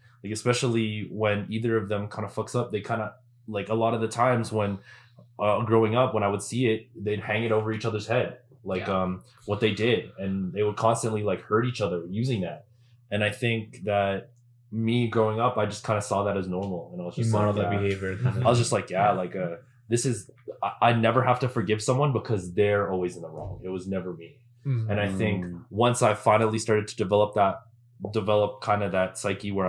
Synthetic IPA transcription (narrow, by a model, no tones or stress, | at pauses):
laɪkɨspɛʃl̩ˠiwɨ̃niðə˞ʌvðɨ̃mkʰãɪ̃ndəfʌksʌp̚ðeɪkʰãɪ̃ndə | laɪkəlɔɾʌvðɨtʰãɪ̃mzwə̃nʔʌɡɹoʊɪ̃ŋʌpwə̃ɾ̃aɪwɨd̥siɪt̚ðeɪd̚hæ̃ŋɨɾoʊvə˞it͡ʃʌðə˞z̥hɛd̥̚ | laɪkʌ̃m | wʌt̪̚ðeɪdɪdɨ̃nðeɪwəd̚kʰɑ̃nstɨ̃nʔlilaɪkhɜ˞ɾit͡ʃʌðə˞jʉzɪ̃ŋðæt̚ | ɨ̃naɪθɪ̃ŋk̚ðɨt̚ | miɡɹoʊɪ̃ŋʌpaɪd͡ʒʌskʰãɪ̃ndəsɔðɨɾɨznɔɹml̩ˠə̃naɪwʌzd͡ʒʌslˠiheɪɪvjə˞aɪwʌzd͡ʒʌstˡlaɪkjælaɪkʌ | ðɪsɨzʔaɪnɛvə˞hæftɨfə˞ɡɪv̥sʌ̃mwʌ̃nbəkʰʌzðə˞ɔlˠwizɨ̃n̩əɹɔ̰̃ŋɪt̚wʌznɛvə˞mi | ɨ̃ñaɪθɪ̃ŋkwʌ̃nsaɪfãɪ̃nl̩ˠistɑɹɾɨd̚tʰɨdɨvɛlˠəp̚ðət̚ | d̥ɨvɛlˠəp̚kʰãɪ̃ndɨðɨtsaɪkiwə˞